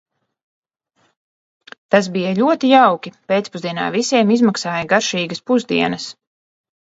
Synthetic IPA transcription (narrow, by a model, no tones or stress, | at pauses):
t̪as̬bijɐlʲuɔt̪ijawkʲipʲeːt̪spuzd̪iɛna̰ːvisʲiɛmizmaksaːjɐɡaɾʃiːɡɐspuzd̪ḭɛnɐs